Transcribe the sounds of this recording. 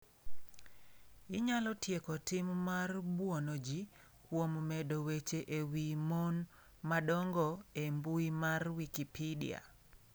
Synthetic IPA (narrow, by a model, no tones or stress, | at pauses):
ɪɲalɔtjekɔtɪmːarbwonod͡ʒi | kwommɛdowet͡ʃeʔewimon | madɔŋɡɔembuimarwikipʰidḭa̰